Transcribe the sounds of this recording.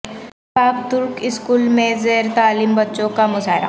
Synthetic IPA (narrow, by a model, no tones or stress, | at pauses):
aːbt̪ʊɾkɪskuːlmẽzeːɾt̪aːlimbɐtːʃõkamʊzaːɦɪɾa̰